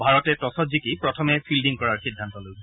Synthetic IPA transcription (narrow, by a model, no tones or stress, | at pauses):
bʱaɹɔtɛtɔsɔtzikipɹɔtʰɔmɛpʰildiŋkɔɹaɹxidʱːantɔloj